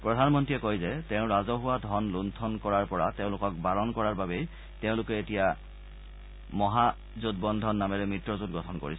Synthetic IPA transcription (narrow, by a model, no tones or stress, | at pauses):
pɹɔdʱanmɔntɹiɛkojzɛteʊ̃ɹazɔɦʊwadʱɔnluntʰɔnkɔɹaɹpɔɹateʊ̃lʊkɔk̚balɔnkɔɹaɹbabej | teʊ̃lʊkɛetija | mɔɦa | zod̚bɔndʱɔnːamɛɹɛmɹitɹɔzut̚ɡɔtʰɔnko̰ɹis